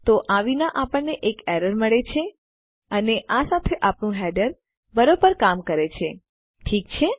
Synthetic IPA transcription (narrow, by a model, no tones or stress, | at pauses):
t̪oʔaʋinaʔapəɳnːeʔekɛɾəɾməɭet͡ʃʰe | əneʔasat̪ʰeʔapɳũɦɛɖəɾ | bəɾobəɾkamkəɾet͡ʃʰe | ʈʰikt͡ʃʰe